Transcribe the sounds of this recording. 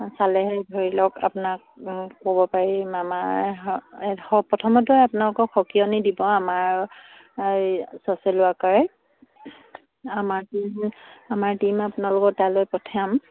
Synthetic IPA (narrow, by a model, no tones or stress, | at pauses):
salɛɦɛjbʱoɹilɔka̰punak̚ː | obɔpaɹimama | ɔpɔtʰɔmɔtʊapʊnalʊkɔxʰɔkijɔnidibɔamaɹ | jsɔsɛlʊakaɹɛ | amaɹtimamaɹtimapʊnalʊkɔt̚dalojpɔtʰajam